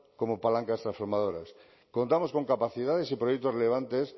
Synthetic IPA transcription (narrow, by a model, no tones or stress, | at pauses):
komopalaŋkast̪ɾãsfo̞ɾmað̞oɾas | kont̪amosko̞ŋkapaθiðaðesipɾojek̚t̪oreleβ̞ant̪es